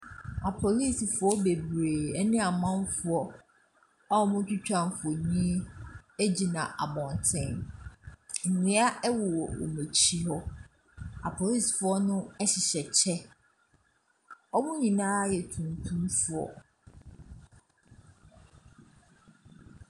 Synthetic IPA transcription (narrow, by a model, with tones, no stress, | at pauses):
a˨pʰo˨li˦˨si˨fʊ˨˦ɔ˦be˨bɾeː˨ɛ˦nɪ̃˦a˨mã˦ɱ˦fʊ˦ɔ˦ | a˦ɔ˦mʊ̃˦t͡ɕᶣu˦t͡ɕᶣã˦˨m˨fɔ˨ɲĩ˦e˦d͡ʑi˨nã˨ʔa̰˨bɔ̃˨n˨tʰɪ̃˦˨n | n̩˨nɪ̃˨˦a˦ɛ˦wʊ˨wɔ˨o̰˨mẽ˨t͡ɕʰi˦ɦɔ˦ | a˨pʰo˨li˦˨sfʊ˦ɔ˦nʊ̃˦ɛ˦ɕɪ˨ɕɛ˨t͡ɕʰɛ˦ | ɔ˦mʊ̃˦ɲĩ˨nãː˦jɛ˨tʰũ˨n˨tʰũ˦m˦fʊ˨ɔ̰˨